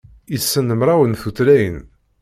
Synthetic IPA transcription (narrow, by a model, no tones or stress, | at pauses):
isːənːəmɾˤawənθuθlæjən